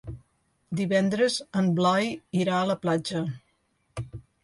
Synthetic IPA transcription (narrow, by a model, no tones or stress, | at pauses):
d̪iβɛnd̪ɾəzəmblajiɾaələplad͡ʒə